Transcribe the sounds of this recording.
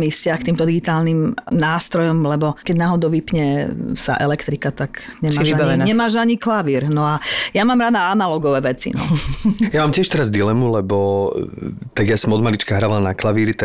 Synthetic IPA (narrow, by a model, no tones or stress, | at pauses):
mifscɪaxkt̪iːmt̪ɔd̪iɡit̪aːlnimnaːst̪ɾɔjɔmlɛbɔkɛɟnaːɦɔd̪ɔʊʋipɲɛsa̰ʔɛ̰lɛkt̪ɾikat̪akɲɛmaːibaɛɲɛmaːʒaɲiklaʋiːɾnɔajamaːmɾaːd̪aanalɔɡɔʋɛːʋɛt͡sḭnɔ̰jamaːmcɪɛʃt̪ɛɾazd̪ilɛmulɛbɔ | t̪aɡjasɔmɔd̪malit͡ʃkaɦɾaːʋalanaklaʋiːɾit̪